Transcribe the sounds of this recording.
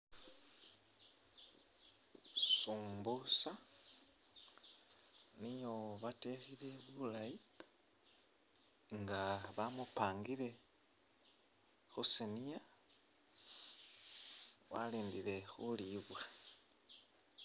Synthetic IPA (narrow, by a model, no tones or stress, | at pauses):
suːmbusa | nijoβatexile̞βulaji | ŋɡaβamupaːŋɡiɾe̞ | xusenija | wa̰liːndile̞xuliβwa